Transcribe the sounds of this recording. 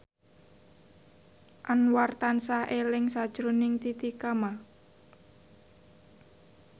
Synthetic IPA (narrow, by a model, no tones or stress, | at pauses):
ʔanwart̪ansaʔelɪŋsad̥ʒ̥ɾonɪŋt̪it̪ikama